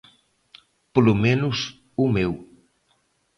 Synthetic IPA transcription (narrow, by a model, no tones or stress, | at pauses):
polumẽnʊs | umew